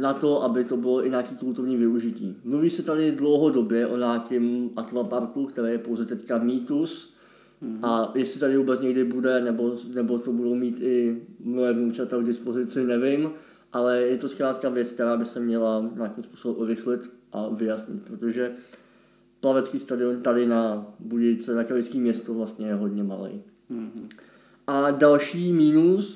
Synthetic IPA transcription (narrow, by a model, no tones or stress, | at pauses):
nat̪o̞ʔabɪt̪obɪloʔɪɲakiːkult̪uɾɲiːvɪuʒɪcḭːmluviːsɛt̪adɪdlowɦodo̞bjɛʔo̞ɲakɛmʔat̪vapaɾkukt̪ɛɾɛːjɛpowzɛt̪ɛckamiːt̪us | ajɛslɪt̪adɪvuːbɛt͡sɲɛɡdɪbudɛnɛbonɛbo̞t̪obudo̞wmiːt̪ɪmnloɛvnut͡ʃat̪aɡdɪspozɪt͡sɪnɛvɪm | ʔalɛjɛt̪oskɾaːt̪̚kavjɛt͡skt̪ɛɾaːbɪsɛmɲɛlaɲakimspu̥ːsobɛmʔuɾɪxlɪt̪ʔavɪjasɲɪ̰t̪̚pɾot̪oʒɛ | plavɛt͡skiːst̪adɪont̪adɪnabuɟɪt͡sɛnakalɪt͡skiːmɲɛst̪ovlast̪ɲɛjɛɦodɲɛma̰lɛ̰j | ʔadalʃiːmiːnus